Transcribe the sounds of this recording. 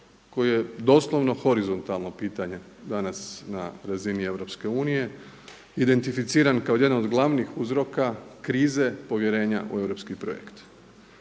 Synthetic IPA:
ko̞jje̞d̪o̞slˠo̞ʋno̞xo̞ɾizo̞nt̪alˠno̞piːt̪aɲe̞ | d̪anasna̰ɾazinie̞ʋɾo̞pske̞uːnije̞ | id̪e̞nt̪ifit̪siːɾankaoje̞d̪nanod̪ɡlˠaʋnixuzɾo̞kakɾiːze̞po̞ʋje̞ɾe̞ːɲa̰ʔṵe̞ʋɾo̞pskipɾo̰jḛkt̪

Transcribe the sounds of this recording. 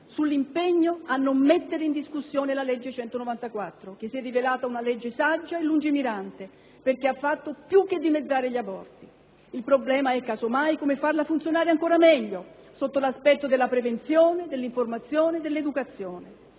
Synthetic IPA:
sulːimpeɲːoanːomːet̪ːeɾeind̪iskusːjoːnelalɛd͡ʒːet͡ʃɛnt̪onovant̪akwat̪ːɾok̟esːiɛdːivelaːt̪aunalɛd͡ʒːesad͡ʒːaelːund͡ʒimiɾant̪e | perk̟eafːat̪ːopjuk̟ːed̪ːimed̪zːaːɾeʎiabɔrt̪i | ilpɾoblɛːmaɛkːaːzomajkomefːarlafunt̪sjonaːɾeaŋkoːɾamɛʎːo | sot̪ːolaspɛt̪ːod̪elːapɾevent̪sjoːned̪elːiɱformat̪sjoːned̪elːed̪ukat̪sːjoːne

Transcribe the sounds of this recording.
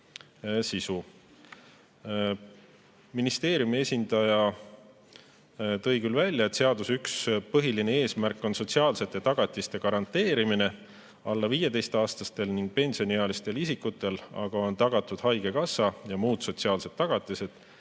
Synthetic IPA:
sisu | minist̪e̞ːɾjumie̞sʲind̪̥ɑjɑ | t̪ɤ̞jkylvælʲjɑe̞t̪ːseɑd̪usykspɤɦiline̞e̞ːsmærkːˑo̞nso̞t̪ʲsiɑːlse̞t̪ːˑet̪ɑɡ̥ɑt̪ːˑist̪e̞kɑɾɑnt̪ːˑe̞ːɾimine̞ | ɑlːɑviːjet̪e̞jst̪ɑːst̪ɑst̪e̞lniŋɡ̥̚pe̞nʲsio̞niɑlist̪e̞lisikːˑut̪ːˑe̞lɑ̰ɡ̥ɑo̞nt̪ɑɡ̥ɑt̪ːˑud̪̥hɑjɡ̥e̞kɑsɑjɑmuːd̪̥so̞t̪siɑːlse̞d̪̚ːɑɡ̥ɑt̪ːˑise̞d̪̥

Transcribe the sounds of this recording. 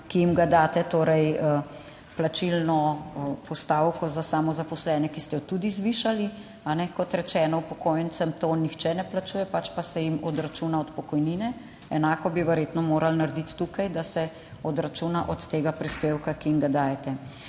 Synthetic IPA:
kijimɡad̪aːt̪ɛt̪oːɾɛj | plat͡ʃilnɔpʰɔst̪aːwkɔzasamɔzapɔslɛnɛkist̪ɛjɔt̪ud̪izʋiʃali | anɛkɔt̪ɾɛt͡ʃɛːnɔupɔkoːjɛnt̪sɛmt̪onixt͡ʃɛnɛplat͡ʃuːjɛpat͡ʃpasɛjimɔd̪ɾat͡ʃunaɔt̪pɔkɔjninɛ | ɛnaːkɔbiʋɛɾjeːt̪nɔmoːɾʔalnaɾd̪it̪ːukajd̪asɛ | ɔd̪ɾat͡ʃunaʔɔt̪ːeːɡapɾispeːwkakijimɡad̪aːjɛt̪ɛ

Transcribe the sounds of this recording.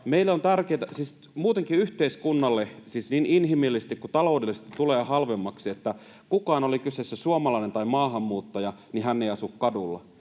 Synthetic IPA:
meilːont̪ærkeːt̪æsiːs | muːt̪eŋkiyht̪eiskunːɑlːesisninʔinɦimilːisest̪ikkut̪ɑloˑudelːˑist̪it̪t̪ːuleːhɑlʋemːɑksiet̪ːæ | kukɑːnolikysesːæsuomɑlɑinent̪ɑimɑːɦɑmːuːt̪ːɑjɑniɦænːeijɑsukkɑdulːɑ̰

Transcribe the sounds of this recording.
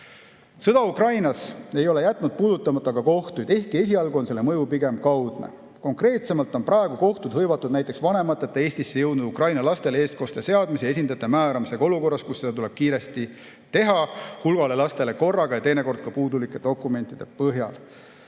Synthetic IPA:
sɤd̪̥ɑukrɑjnɑse̞jo̞le̞jæt̪ːˑnud̪̥̚puːd̪ut̪ːˑɑmɑt̪ːˑɑkɑko̞ht̪ujd̪̥e̞hk̪ie̞s̬ʲiɑlɡuo̞nse̞lːemɤjupiɡe̞mkɑwd̪̥nḛ | ko̞ŋkre̞ːt̪se̞mɑlt̪ːˑo̞nprɑeɡ̥uko̞ht̪ud̪̥hɤjvɑt̪ːˑud̪næjt̪ːˑe̞ksvɑne̞mɑt̪ːˑet̪ːˑee̞ːsʲt̪isːe̞jɤwd̪nud̪̥ukrɑjnɑlɑst̪e̞lee̞ːst̪ko̞st̪e̞se̞ɑd̪mis̬ee̞s̬ʲind̪ɑt̪ːˑe̞mæːɾɑmise̞ɡ̥ɑo̞luko̞rːɑskusːe̞d̪ɑt̪ule̞b̥̚kiːɾe̞st̪i | t̪e̞ɦɑhulɡ̥ɑle̞lɑst̪e̞le̞ko̞rːɑɡɑjɑt̪e̞jne̞ko̞rd̪̥̚kɑpuːd̪ulikːˑe̞d̪̥o̞kːˑume̞nt̪ːˑid̪̥e̞pɤɦjɑ̰l

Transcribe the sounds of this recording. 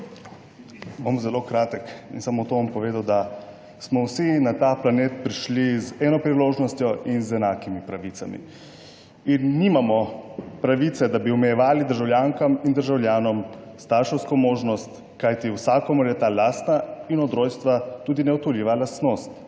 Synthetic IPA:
bomzɛlokɾaːt̪əkinsamɔt̪ompɔʋeːd̪awd̪a | smɔwsinat̪aplaneːt̪̚pɾiʃlizɛnɔpɾiloːʒnɔst̪jɔʔinzɛnaːkimipɾaʋit̪samḭ | inːimamɔpɾaʋit̪sɛd̪abiɔmɛjɛʋaːlid̪əɾʒawlʲjaŋkamind̪əɾʒawljaːnɔm | st̪aɾʃɛwskɔmoːʒnɔst̪ | kajt̪iwsaːkɔmɔɾjɛt̪aːlaːst̪nainɔd̪ɾoːjst̪ʋat̪uːd̪inɛɔt̪uliʋalast̪nost̪

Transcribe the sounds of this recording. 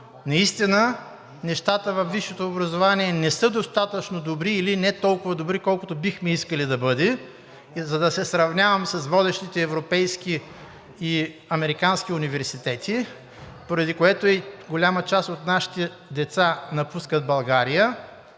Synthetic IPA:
nɐist̪inə | nɛʃt̪at̪əvɐfviʃːot̪oːbɾɐzovaniɛnɛsɤd̪ost̪at̪ət͡ʃnod̪obɾiːlinɛt̪ɔlˠkʊvɐd̪obɾikɔlˠkʊt̪obixmɛiskəlid̪ɐbɤd̪ɛ | zɐd̪ɐsɛsɾɐvnʲavɐmsɐsvɔd̪ɛʃt̪it̪ɛːvɾopɛjskiː | ɐmɛɾikansk̟iʊnivɛɾsit̪ɛt̪ʰi | poɾɐd̪ikoɛt̪oiɡolʲamət͡ʃasot̪naʃi̥t̪ɛ | d̪ɛt̪sanɐpuskət̪bɐlˠɡaɾijə

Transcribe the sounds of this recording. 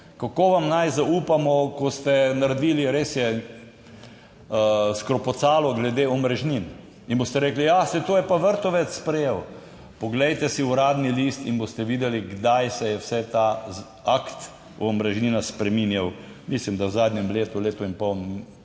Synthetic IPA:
kakoːʋamnajzauːpamɔkɔst̪ɛnaɾd̪iːliɾesjɛ | skɾɔpɔt̪saːlɔɡlɛd̪eːɔmɾɛʒnin | inboːst̪ɛɾeːklijasɛt̪oːjɛpaʋəɾt̪ɔʋɛt̪sspɾɛjew | pɔɡlɛjt̪ɛsiuɾaːd̪niliːst̪inbost̪ɛʋiːd̪ɛliɡd̪ajsɛjɛwsɛt̪a | akt̪ | ɔmɾɛʒniːnaspɾɛminjaw | mislimd̪awzaːd̪njɛmleːt̪uleːt̪uinpɔwn

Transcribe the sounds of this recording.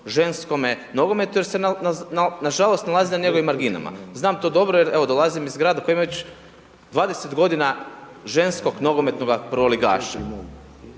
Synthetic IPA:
ʒe̞nsko̞meno̞ɡo̞me̞t̪ujeɾsenanaʒalo̞st̪nalaːzinaɲe̞ɡo̞ʋimːaɾɡina̰ma̰znaːmt̪oːd̪o̞bɾojeɾe̞ʋo̞d̪o̞lˠazimizɡɾaːd̪akojimaʋet͡ɕ | d̪ʋaːd̪e̞set̪ɡo̞d̪ina | ʒe̞nsko̞ɡno̞ɡo̞me̞t̪no̞ɡapɾoliɡa̰ːʃa̰

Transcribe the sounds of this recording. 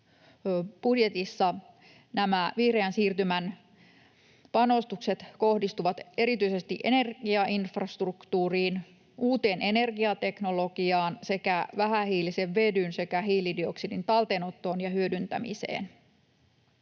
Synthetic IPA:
b̥udje̞t̪isːɑ | næmæʋiːreænsiːrt̪ymæn | pɑno̞st̪ukse̞t̪ko̞hdist̪uʋɑt̪e̞ɾit̪yisest̪iʔene̞rɡiɑʔinfrɑst̪rukt̪uːriːn | uːt̪e̞ːnʔe̞ne̞rɡiɑt̪e̞knolo̞ɡ̥iɑːnse̞kæʋæɦæhiːliseʋʋe̞dynse̞kæɦiːlidioksidint̪ɑlt̪eno̞t̪ːo̞ːnjɑhyødynt̪æ̰mḭsḛːn

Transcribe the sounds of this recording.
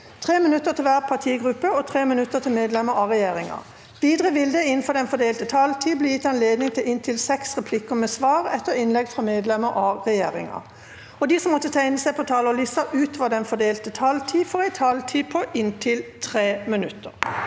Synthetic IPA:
t̪ʰʁeːmɪnʉt̪ːət̪ʰɪlʋæːʁpʰɑt̪ʰiːɡʁʉpːəɔt̪ʰʁeːmɪnʉt̪ːət̪ʰɪlmeːd̪lɛməɾɑʁɛjeːʁɪŋɑ̰ | ʋiːd̪ʁəʋɪld̪ɛɪnn̩fɔd̪ɛnfɔd̪eːlt̪ət̪ʰɑlt̪ʰiːblɪːjɪt̪ːɑnleːd̪nɪŋt̪ʰɪlɪnt̪ʰɪlsɛksʁɛpʰlɪkːəmɛsʋɑːʁɛt̪ːəʁɪnlɛɡfʁɑmeːd̪lɛməɾʔɑʁɛjeːʁɪ̰ŋɑ̰ | ɔd̪iːsɔmːɔt̪ːət̪ʰæɪnəsæɪpʰɔt̪ʰɑːlɔlɪsɑʔʉːt̪ʋɑd̪ɛnfɔd̪eːlt̪ət̪ʰɑlt̪ʰiːfɔːʁæɪt̪ʰɑlt̪ʰiːpʰɔʔɪnt̪ʰɪlt̪ʰʁeːmɪnʉt̪ːəʁ

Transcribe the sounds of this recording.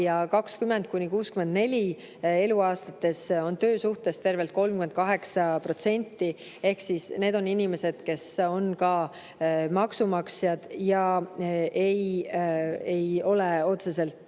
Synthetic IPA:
jɑkɑkskymːe̞nd̪̥̚kunʲikuːskyme̞nd̪ne̞lʲi | e̞luɑːst̪ɑt̪ːˑe̞so̞nt̪ø̞ːsuht̪e̞st̪e̞rve̞lt̪̚ko̞lmkyment̪̚kɑɦe̞ksɑpro̞t̪se̞nʲt̪ːˑi | e̞hksisne̞ːd̪o̞ninʲime̞se̞d̪̥ke̞so̞nkɑ | mɑksumɑksjɑd̪̥jɑʔej | e̞jo̞leo̞t̪se̞se̞lt̪

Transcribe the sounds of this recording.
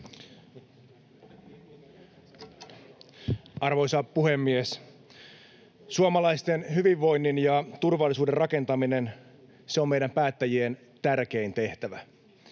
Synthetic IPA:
ɑrʋo̞jsɑpuhe̞mːies | suomɑlɑjst̪enɦyʋiʋːo̞jnːinjɑt̪urʋɑlːˑisuːderɑke̞nt̪ɑmine̞n | seomejdæmpæːt̪ːæjien | t̪ærk̟e̞int̪e̞ht̪æʋæ

